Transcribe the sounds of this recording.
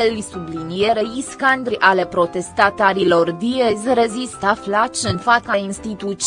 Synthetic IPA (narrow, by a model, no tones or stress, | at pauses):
elsublinjeɾeiskand̪ɾiʔale̞pɾo̞t̪e̞st̪at̪aɾilo̞rd̪iezre̞zist̪aflat͡ʃɨnfakainst̪it̪ut͡ʃ